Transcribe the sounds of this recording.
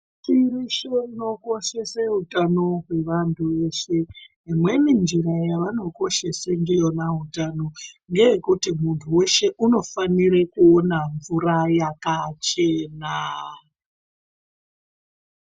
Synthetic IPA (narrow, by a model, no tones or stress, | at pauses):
t͡ʃiriʃeino̞ko̞ʃe̞seɦutano̞ɦwe̞ʋantʰuʋe̞ʃe̞ | imwe̞nind͡ʒiɾajaʋano̞ko̞ʃe̞sendijo̞naɦutano̞ŋɡe̞jekutimuntʰuwe̞ʃe̞ʔuno̞faniɾakuonaɱvuɾajakat͡ʃe̞ːna